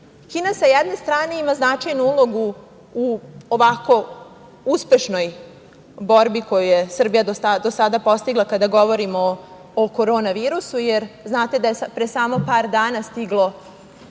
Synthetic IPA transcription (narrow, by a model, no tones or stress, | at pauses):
kiːnasajed̪ne̞st̪ɾaːne̞imaznat͡ʃajnuulˠo̞ɡu | uoʋako̞ | uspe̞ʃno̞j | bo̞ɾbiko̞jujesr̩bijad̪osad̪o̞sad̪apo̞st̪iɡlˠakad̪aɡo̞ʋo̞ɾimoː | ko̞ɾo̞ːnaʋiːɾusujeɾznaːt̪e̞d̪ajepɾesaːmo̞paːɾd̪aːnast̪iɡlˠo̞